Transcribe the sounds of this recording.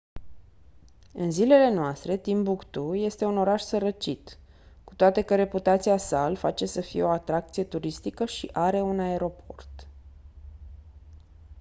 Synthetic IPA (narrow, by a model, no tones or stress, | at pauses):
ɨnzile̞le̞noast̪ɾe̞t̪imbukt̪uje̞st̪e̞uno̞ɾaʃsəɾət͡ʃit̪ | ku̥t̪oat̪e̞kəɾe̞put̪at̪siasalfat͡ʃe̞səfḭje̞o̞at̪ɾak̚t̪sije̞t̪uɾist̪ikəʃiʔaɾe̞unae̞ɾo̞pʰo̞rt̪